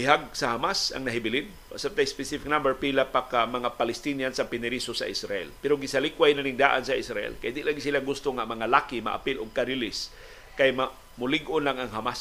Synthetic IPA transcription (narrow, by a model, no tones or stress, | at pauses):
bɪɦaɡ̚sahamasa̰ŋnaɦɪbɪlɪn | a̰sab̚t̪ajspɛsifik̚nambɛɹpilapakamaŋapalɛst̪injansapɪnɪɾisosa̰ʔɪsɾaʔɛ̰lpɛɾoɡɪsalikwajnanɪŋd̪aːʔansaʔɪsɾaʔɛ̰lkajd̪iʔlaŋɡsilaɡʊst̪oŋamaŋalaːkima̰ʔa̰pɪlʊɡ̚kaɾilɪs | kajma | mʊlɪɡonlaŋaŋɦamas